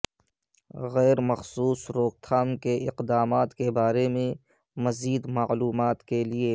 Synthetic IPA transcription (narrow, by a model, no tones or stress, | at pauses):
ɣɛːɾmɐxsuːsɾoːk̚t̪ʰaːmkeʔɪqd̪aːmaːt̪kebaːɾemẽ | mɐziːd̪maluːmaːt̪kelie